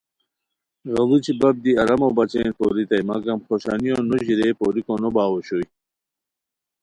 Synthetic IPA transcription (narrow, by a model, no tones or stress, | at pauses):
ɣɐlut͡ɕʰibɐb̚d̪iɐɾɐmobɐt͡ɕenpo̰ɾit̪ɐjmɐɡɐmxoɕa̰nijonoʑiɾeːpoːɾikonobaːwoɕoj